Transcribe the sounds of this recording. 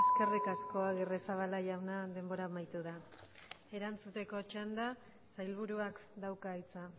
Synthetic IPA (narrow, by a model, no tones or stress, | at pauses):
eske̞rikasko̞aɣeresaβ̞alajawnaðe̞mbo̞ɾamajt̪uða | e̞ɾant͡sut̪e̞ko̞t͡ʃand̪a | sajlβuɾuakd̪awkait͡sa